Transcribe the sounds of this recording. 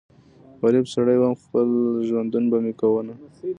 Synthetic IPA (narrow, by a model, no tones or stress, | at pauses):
wɑlɪbsaɽajbamxpəlʒwand̪unbamekawəna